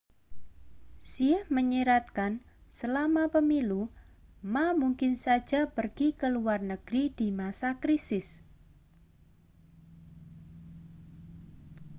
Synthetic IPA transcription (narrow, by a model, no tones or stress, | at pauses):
sihməɲiɾat̪̚kan | səlamapəmilumamuŋkɪnsḁd͡ʒʒ̥apərɡ̥ikəluarnəɡ̥ɾid̥imasakɾisɪs